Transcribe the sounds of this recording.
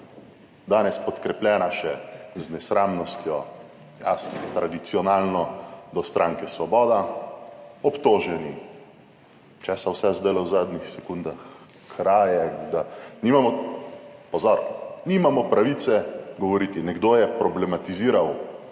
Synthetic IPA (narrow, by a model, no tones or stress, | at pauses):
d̪aːnɛspɔt̪kɾɛplʲjɛːnaʃɛznɛsɾaːmnɔst̪jɔ | ja̰st̪ɾad̪it̪siɔnaːlnɔd̪ɔst̪ɾʔaŋkɛsʋɔbɔːd̪a | ɔpt̪oːʒɛni | t͡ʃɛsawsɛzd̪ejlɛwzaːd̪nixsɛkund̪ax | kʰɾaːjɛd̪animamɔ | pɔzɔɾnimamɔpɾaʋit̪sɛɡɔʋɔɾiːt̪inɛɡd̪oːjɛpɾɔblɛmat̪iziːɾaw